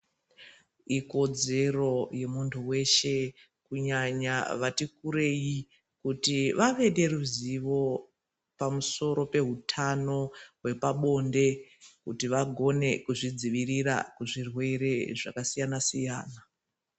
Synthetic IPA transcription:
iko̞d͡ze̞ro̞je̞muntʰuwe̞ʃe̞ | kuɲaɲaʋatikuɾeji | kutiʋaʋe̞ɗe̞ruziʋo̞ | pamuso̞ɾo̞pe̞ɦutʰano̞ɦwe̞paɓo̞nde̞kutiʋaɡʱo̞ne̞kuʐid͡ziʋiriɾa̰kuʐirwe̞ɾe̞ʐakasijanasijaːna

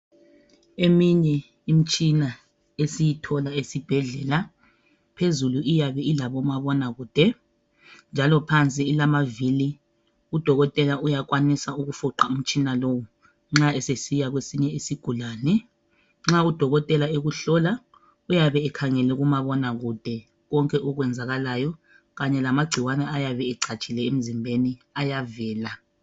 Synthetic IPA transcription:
emiɲɛ | im̩t͡ʃʼina | esijitʰɔlaesib̥ʱɛɮɛːla | pʰezuluʔijaβɛilaβɔmaβɔnaɣuːd̥ʱɛ | nd͡ʒʱalɔpʰant͡sʼiːlamavili | ud̥ʱɔɣɔtʼɛlaujak̬ʼwanisauɣufuǃaum̩t͡ʃʼinalowu | ŋ͡ǁaɛsesijaɣwesiɲɛisiɡ̥ʱulaːnɛ | ŋ͡ǁaud̥ʱɔɣɔtʼɛlaeɣuɬɔla | ujaβɛːkʰaŋɛlɛɣumaβɔnaɣud̥ʱɛ | ɣɔŋkʼɛʔɔɣwɛnd͡zʱaɣalajɔ | ɣaɲɛlamaɡ͡ǀʱiwanɛajaβɛɛǀʰat͡ʃʼilɛem̩zimbʱeniajavɛːla

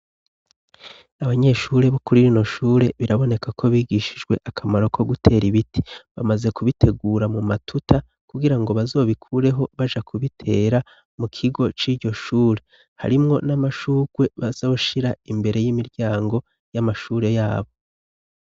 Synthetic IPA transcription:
aβaɲe̞ʃuːɾe̞βokuɾiɾino̞ʃuːɾe̞βiɾaβo̞ne̞kakʰo̞βiːɡiʃid͡ʒɡwe̞ʔakʰamaɾo̞kʰo̞ɡutʰe̞ːɾiβitʰi̥βamaze̞kuβite̞ɡuːɾamumatʰuta | kuɡiɾaŋɡo̞βazo̞ːβikʰuɾe̞ɦo̞βaʒakʰuβitʰe̞ːɾa | mukʰiɡo̞t͡ʃiːɾɟo̞ʃuːɾe̞ | ha̰ɾimŋo̞namaʃuːɡ̥we̞βaz̥o̞ːʃiɾaimbe̞ɾe̞jimiɾɟaːŋɡo̞ | jamaʃuːɾe̞jaːβo̞

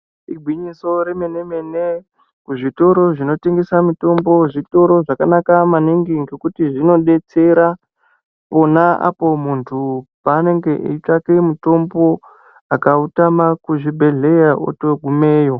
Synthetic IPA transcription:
iɡʱwiɲiso̞ɾemenemene | kuʐito̞ɾo̞ʐino̞teŋɡesamito̞mbo̞ʐito̞ɾo̞ʐakanakamaniŋɡiŋɡe̞kutiʐino̞ɗe̞t͡se̞ɾa | po̞naa̰po̞muntʰupaːne̞ŋɡe̞ʔeitakemuto̞mbo̞ | akautamakuʐibʱe̞ɮe̞jaʔo̰toɡʱumeːjo̞

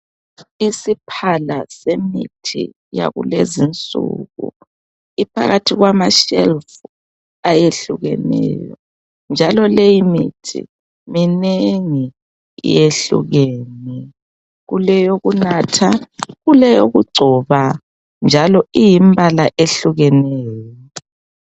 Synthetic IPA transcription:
isipʰalasemḭtʰḭ | ja̰ɣṵlezint͡sʼṵɣṵ | ipʰa̰ɣatʰiɣwamaʃelfu | ajeɬuɣɛ̰nɛ̰ːjɔ | nd͡ʒʱalɔlejimḭtʰḭ | mineŋi | ḭjeɬṵɣɛːnɛ | ɣulɛjoɣunatʰaɣulɛjoɣuɡ͡ǀʱɔβa | nd͡ʒʱalɔijimbʱalaʔeɬuɣɛnɛːjɔ

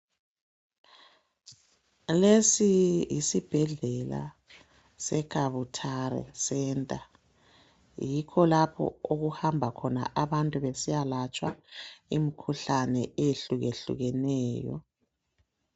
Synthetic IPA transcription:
lesijisib̥ʱɛɮɛla̰ | sɛkʰaβutʰaɾɛ̰sɛntʼa | jikʰɔlapʰɔ̰oɣuhambʱakʰɔna̰ʔaβantʼuβesijalat͡ʃʼwa̰imikʰuɬanɛeeɬuɣeɬṵɣɛnɛːjɔ̰

